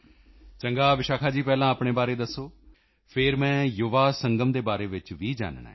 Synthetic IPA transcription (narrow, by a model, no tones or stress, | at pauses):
t͡ʃəŋɡaːʋɪʃaːkʰaːd͡ʒiːpɛːlãːaːpɳ̃eːbaːɾeːd̪əsːoː | pʰɪɾmɛ̃ːjʊːʋaːsəŋɡəmd̪eːbaːɾeːʋɪt͡ʃʋiːd͡ʒa̰ːnːa̰ː